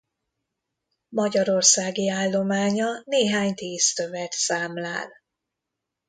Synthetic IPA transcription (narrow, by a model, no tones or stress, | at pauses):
mɒɟɒɾo̞rsaːɡiaːlːo̞maːɲɒneːɦaːɲt̪iːst̪ø̞vɛt̪saːmla̰ːl